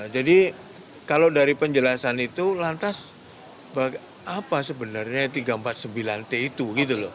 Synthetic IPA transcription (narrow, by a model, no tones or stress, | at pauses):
d͡ʒadi | kalodaɾipəɲd͡ʒəlasanit̪ulant̪as | bak | apasəbənarɲat̪iɡaəmpat̪̚səmbilant̪eit̪uɡit̪ulɔ